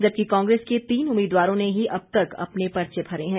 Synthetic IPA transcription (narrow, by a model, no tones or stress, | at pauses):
d͡ʒɐb̚kikãːŋɡɾeːsket̪iːnʊmːiːd̪waːɾõneɦiʔɐb̚t̪ɐkɐ̰pnepɐɾt͡ʃebʱɐɾeɦɛ̃ː